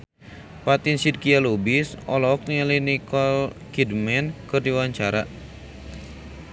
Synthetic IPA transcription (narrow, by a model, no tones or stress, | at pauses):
pat̪insid̚kialobisɔlɔɔk̚nəlinikɔlkidmɛnkɨrdiwaɲt͡ʃaɾa